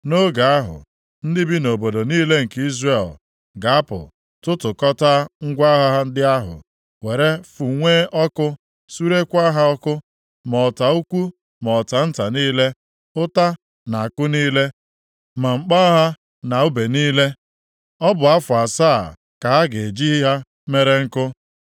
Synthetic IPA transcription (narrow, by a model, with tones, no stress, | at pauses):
no˦ɡa˨a˦ɦʊ̰˨ | n̩˦dɪ˦bi˦no˨bo˨do˨niː˦le˦ŋ̩˨ki˦zre˦˨l | ɡa˨a˦pʊ̰˨ | tʊ˦tʊ˨kɔ˦ta˦ŋ̩˦ɡʷa˦ɦa˦ɦa˦n̩˦dɪ˦a˦ɦʊ̰˨ | we˨ɾe˦fu˨ŋʷe˦ʔɔ˦kʊ˦ | su˦ɾe˦kʷa˦ɦa˦ɔ˦kʊ˦ | mɔ˨ta˨u˦kʷu˦ | mɔ˨ta˨n̩˦ta˨niː˦le˦ | ʊ˦ta˦ | na˨a˨kʊ˦niː˦le˦ | ma˨ŋ͡m̩˨k͡pa˦ɦa˦ | na˨u˦be˨niː˦le˦ | ɔ˦bʊ˨a˦fʊ˨a˨saː˦˨ | ka˨ɦa˦ɡe˨d͡ʒi˦ɦi˦ɦa˦ | me˦ɾe˦ŋ̩˦kʊ˦